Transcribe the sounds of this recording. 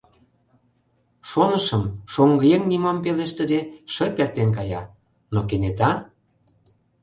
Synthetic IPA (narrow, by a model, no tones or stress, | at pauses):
ʃonəʃə̆mʃoŋɡəjeŋnimɑmpeleʃt̪ə̆d̪eʃə̆pert̪enk̬ɑjɑ | nokenet̪ɑ